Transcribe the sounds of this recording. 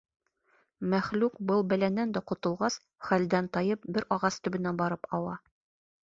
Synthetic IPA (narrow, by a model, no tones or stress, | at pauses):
mæχlʉkbɤlˠbælænːænd̪æqŏt̪ɤ̆lˠʁɑs | χæld̪ænt̪ɒjɤp̚bɘɾɒʁɑst̪ɵ̆bɘ̆næbɒɾɤpɒw̪ˠɑ